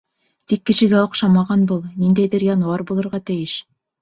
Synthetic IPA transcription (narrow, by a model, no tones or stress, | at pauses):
t̪ikːɘ̆ʃɘ̆ɡæŏqʃɑmɑʁɑnbulˠnind̪æjðɘɾjɑnwɑɾbulˠɤ̆ɾʁɑt̪ɘ̆jɘʃ